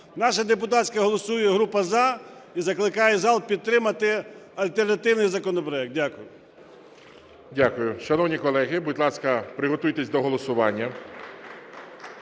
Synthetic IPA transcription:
nɑʃɐd̪epʊt̪ɑt͡sʲkɐɦɔlˠɔsujɛɦɾupɐzɑizɐklˠɪkɑjɛzɑlˠpʲid̪̚t̪ːɾɪmɐt̪ɪɐlʲt̪ernɐt̪ɪwnɪjzɐkɔnɔpɾɔjɛk̪̚dʲakʊjʊ | dʲakʊjʊʃɐnɔwnʲikɔlˠɛɦɪbʊdʲlˠɑskɐpɾɪɦɔt̪ujt̪esʲd̪ɔɦɔlˠɔsʊʋɑ̰nʲːɐ

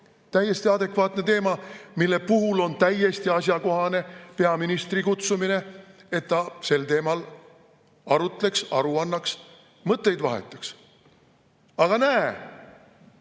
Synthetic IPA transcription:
t̪æjːe̞st̪iɑd̪̥e̞kvɑːt̪ne̞t̪e̞ːmɑmilːe̞puɦulo̞nt̪æje̞st̪iɑs̬ʲjɑko̞ɦɑne̞peɑminist̪ɾikut̪sumine̞e̞t̪ːɑse̞lt̪e̞ːmɑl | ɑɾut̪ˑle̞ksɑ̰ɾuɑnːɑks | mɤt̪ːe̞jd̪vɑɦḛt̪ːˑe̥ks | ɑɡ̥ɑnæe

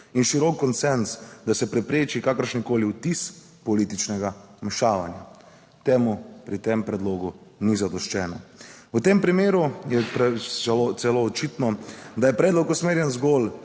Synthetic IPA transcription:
inʃiɾɔkːɔnt̪sɛnsd̪asɛpɾɛpɾeːt͡ʃikakəɾʃnikoːliut̪is | pɔliːt̪it͡ʃnɛɡamɛʃaːʋanja̰ | t̪eːmupɾit̪empɾɛd̪loːɡunizad̪ɔʃt͡ʃɛːnɔwt̪empɾimeːɾujɛpɛot̪sɛloːt͡ʃit̪nɔd̪ajɛpɾɛːd̪lɔkusmeːɾjɛnzɡol

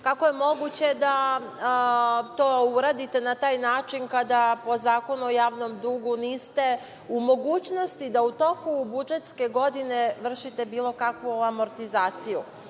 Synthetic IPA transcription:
kakoje̞mo̞ɡut͡ɕe̞d̪a | t̪o̞ːuɾaːd̪it̪e̞nat̪aːjnaːt͡ʃinkad̪apo̞zaːko̞nuojaːʋno̞md̪uːɡuniːst̪e̞ | umo̞ɡuːt͡ɕno̞st̪id̪aut̪o̞kubud͡ʒet̪ske̞ɡo̞d̪ine̞ʋr̩ʃit̪e̞biːlˠo̞kakʋuamo̞ɾt̪izaːt̪siju

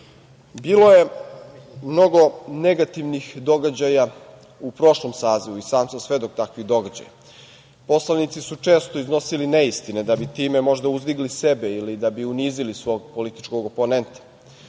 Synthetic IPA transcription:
biːlo̞je̞ | mno̞ɡo̞ne̞ɡat̪iʋnixd̪o̞ɡad͡ʑaja | upɾo̞ʃlomsaːziʋuisaːmsasʋe̞d̪o̞k̚t̪akʋiɣd̪o̞ɡad͡ʑa̰ja̰ | po̞slˠanit̪sisut͡ʂe̞ːst̪oizno̞siline̞ist̪ined̪abit̪iːme̞mo̞ʒd̪auzbiɡlise̞beilid̪abiuniːzilisʋo̞ːɡpo̞lit̪i̥t͡ʃko̞ɡo̞po̞ne̞nt̪ḁ

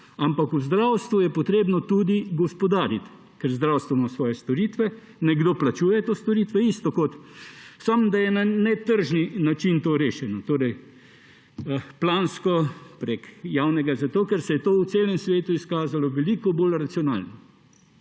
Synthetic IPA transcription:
ampakuzd̪ɾawst̪ʋujɛpɔt̪ɾeːbnɔt̪ud̪iɡɔspɔd̪aːɾit̪ | kɛɾzd̪ɾawst̪ʋɛmɔsʋɔːjɛst̪ɔɾit̪ʋɛ | nɛɡd̪oːplat͡ʃuːjɛt̪oːst̪ɔɾiːt̪ʋɛist̪ɔkot̪samd̪ajɛnanɛt̪əɾʒninat͡ʃint̪oɾeːʃɛnɔt̪oːɾɛj | plaːnskɔpɾekjawnɛɡazat̪oːkɛɾsɛjɛt̪oːw̪seːlɛmsʋeːt̪uiskaːzalɔʋɛliːkɔbolɾat̪siɔna̰ːlnɔ

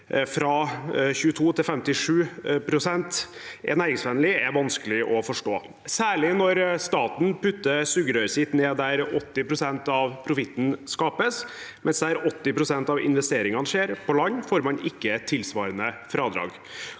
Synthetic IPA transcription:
fɾɑçʉːət̪ʰuːt̪ʰɪlfɛmt̪ɪʂʉːpʰɾʊsɛnt̪ʔɛ̰næːɾɪŋsʋɛnlɪɛʋɑnskəlɪʔɔfɔʂʈoː | sæːɭɪnɔɾst̪ɑːt̪n̩pʉt̪ːəsʉɡɾœʏɾsɪt̪neːd̪æɾɔt̪ːɪpʰɾʊsɛnt̪ɑʋpʰɾʊfɪt̪n̩skɑːpəsmʔɛnsd̪æɾɔt̪ːɪpʰɾʊsɛnt̪ɑʋɪ̰nʋɛst̪eːɾɪŋɑnəʂeːɾpʰɔlɑɲːfoːɾmɑnɪkːət̪ʰːɪlsʋɑːɾənəfɾɑːd̪ɾɑ̰ːɡ

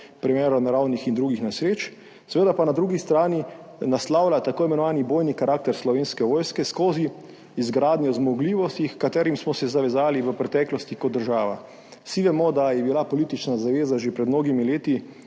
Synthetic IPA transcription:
pɾimɛːɾɔnaɾawnixind̪ɾuːɡixnasɾeːt͡ʃ | sɛʋeːd̪apanad̪ɾuːɡist̪ɾaːninaslawlat̪akoːimɛnɔʋaːniboːjnikaɾaːk̚t̪ɛɾslɔʋeːnskɛʋɔːjskɛskoːziː | zɡɾaːd̪nʲjɔzmɔɡliːʋɔst̪ixkat̪ɛːɾimsmɔsɛzaʋɛzaːliʋəpɾɛt̪ɛːklɔst̪ikɔd̪dːəɾʒaːʋa̰ | siʋɛmɔd̪ajɛbilapɔliːt̪it͡ʃnazaʋeːzaʒepɾɛd̪mnoːɡimileːt̪i

